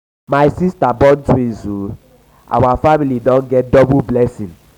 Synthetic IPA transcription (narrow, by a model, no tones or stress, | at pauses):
majsistabɔ̃ntwĩnzu | ʔa̰wafamilidɔ̃nɡɛt̚dɔbublɛsĩn